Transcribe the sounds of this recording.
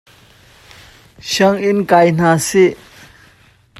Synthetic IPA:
ɕɐŋinkajn̥ase

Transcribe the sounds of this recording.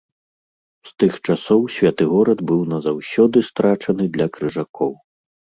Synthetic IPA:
st̪ɨxt͡ʂasɔwsʲvʲat̪ɨɣɔɾɐd̪bɨwnɐzawsʲɔd̪ɨst̪ɾat͡ʂɐnɨd̪lʲɐkɾɨʐakʰɔw

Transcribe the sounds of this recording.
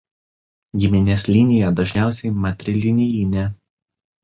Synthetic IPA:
ɡʲɪmʲɪnʲeːsʲlʲɪnʲɪjɛd̪ɐʒʲnʲæˑʊsʲɛɪmɐt̪ʲɾʲɪlʲɪnʲɪjʲinʲɛ

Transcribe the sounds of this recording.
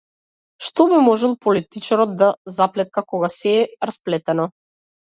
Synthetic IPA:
ʃt̪ɔbimɔʒɛlˠpɔlit̪it͡ʃaɾɔd̪̚d̪azaplɛt̪̚kakɔɡasɛːɾasplɛt̪ɛnɔ

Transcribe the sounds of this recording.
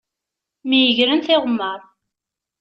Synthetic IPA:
mijəʝɾənθɪʁmːəɾˤ

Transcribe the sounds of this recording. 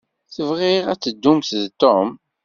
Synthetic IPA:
θəvʁɪʁæt͡sːəd̪ːumθðt̪om

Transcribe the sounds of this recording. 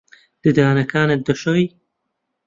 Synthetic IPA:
d̪̥ɨd̪aːnɐkʰaːnɨt̪̚d̪ɐʃowj

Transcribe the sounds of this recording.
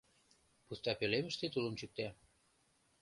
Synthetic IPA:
pust̪ɑpølemə̆ʃt̪et̪uləmt͡ɕyk̚t̪æ

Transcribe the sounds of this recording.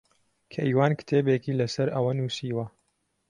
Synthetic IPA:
kʰɐʔiːwaːnkɨ̥t̪ʰeːbeːkiːlɐsɐɾʔɐwɐnuːsiːwɐ

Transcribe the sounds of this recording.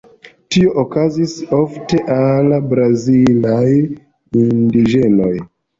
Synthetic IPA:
tio̞ʔokaziso̞fte̞ʔalabɾazilaj | indiʒe̞no̞j

